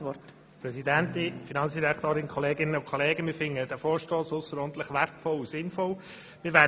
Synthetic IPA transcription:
ʋɔt | pɾɛsidænt̪ɪfinɑnt͡ssd̥iɾækʰt̪oːɾɪnkʰɔleːɡɪnəʊkʰɔleːɡəmɪːfɪŋːədɛfoːɾʃtoːsʊsəɾɔːnt̪ləχʋæɾtfɔlusɪnfɔl | mɪɾʋæ

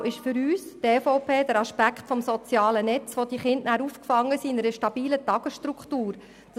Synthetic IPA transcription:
ʔɪʃfʏɾyːsteːfɔʊpeːd̥̪əɾɑʃpækχtfɔmsɔt͡sjɑːlənɛt͡sʋod̥̪iχɪndnæːɾuːfkfɑŋːəsiːɪnɛɾəʃtɑb̥iːlətɑɡ̥əsʃtɾukχtuːɾ | d̥ɑ

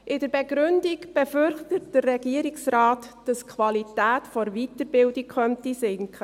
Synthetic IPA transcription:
ʔɪdəɾbɛɡɾʏndikb̥ɛfʏɾχtət̚d̥ərːɛɡ̥iəɾiksɾaːtd̥ɑskʰʋɑlitæːtfɔɾvitəɾbɪldikʰχœntisɪŋkχə

